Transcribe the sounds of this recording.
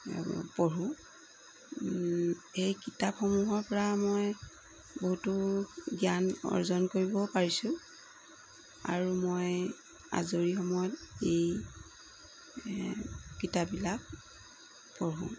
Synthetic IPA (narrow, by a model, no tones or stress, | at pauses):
pɔɹũ | ejkitapxɔmuɦɔɹpɔɹamoj | boɦutuɡijanɔ̰ɹzɔnkoɹibɔpaɹisʊ̃ | a̰ɹumoj | a̰zoɹixɔmɔjɔtej | kitabbilak̚ | pɔɹṵ̃